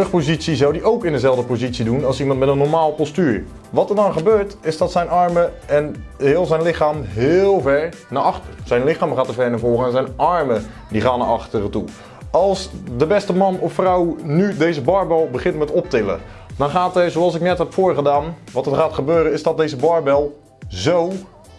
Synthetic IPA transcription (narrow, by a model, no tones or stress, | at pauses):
rɵχpozisizawdiʔowkɪndəzɛlˠdəpozitsidunɑlˠsimɑntmɛtənːɔɹmaːlˠpɔstyːɹ | ʋɑtəɹdɔnχəbøːɹtɪzdɑtsɛjnɑɹmə | ɛnɦɪːlˠzɛjnlɪχaːmɦɪːlˠvɛɹ | naːɑχtərz̥ɛjnlɪχaːmχaːtəvɛɹnəvɔːχəɛnzɛjnɑɹmə | diχaːnːa̰ʔɑχtərətṵ | ɑlˠsdəbɛstəmɑnɔffrawnydejzəbɑɹbɛlˠbəχɪntmɛtɔp̚tɪlə̰ | d̥ɔnχaːtəzoɑlˠsɪknɛtɦɛpfoːɹχədaːnʋɑtərχaːtχəbøːɾəɪzdɔt̚dejzəbɔɹbɛlˠ | zow